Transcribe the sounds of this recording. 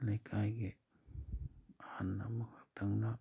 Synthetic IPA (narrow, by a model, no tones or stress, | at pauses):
nakʰajɡe | anːa̰makat̪aŋna